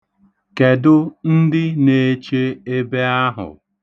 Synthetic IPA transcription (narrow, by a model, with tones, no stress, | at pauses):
ke˨dʊ˦n̩˦dɪ˦ne˨˦t͡ʃe˦e˦be˦a˦ɦʊ̰˨